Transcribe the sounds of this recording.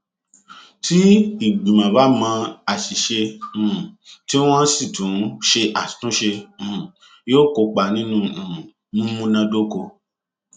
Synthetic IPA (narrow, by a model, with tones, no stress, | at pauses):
ti˦i˦˨ɡ͡bĩ˨mã˨ba˨˦mãː˧a˨ʃi˨ʃẽ˧˨ | ti˦w̃ɔ̃˦si˦˨tũ˨˦ʃe˧ʔḁ˨tũ˦ʃẽ˧˨ | joː˦˨ko˧˦k͡pa˨nĩ˦nũ˧˨ | nũ˦mũ˦nã˧do˦ko˧˨